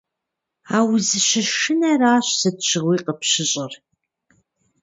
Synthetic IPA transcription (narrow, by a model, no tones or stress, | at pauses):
aːwzɨʃɐʃɨnɐraːɕsɐtɕɪʁʷiːqəpɕɪɕʼɪr